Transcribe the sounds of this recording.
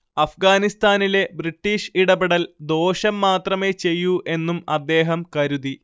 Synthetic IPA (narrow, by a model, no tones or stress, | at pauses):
ɐfɡaːnist̪aːnile̞briʈːiːʂiɽɐbeɽɐld̪o̞ːɕɐmːaːt̪rɐme̞t͡ɕe̞jːuʔe̞nːumɐd̪ːe̞ːɦɐmkɐɾuði